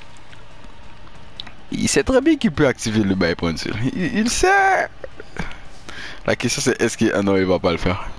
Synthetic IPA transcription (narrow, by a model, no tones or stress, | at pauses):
ḭlsɛt̪χɛbjɛ̃kilpøak̚t̪iveləbajpʁɛ̃nsḭliilsɛ | lʔa̰kɛst̪jɔ̃sɛʔɛskəʔɛ̰̃nɔ̃ilvapaləfɛːʁ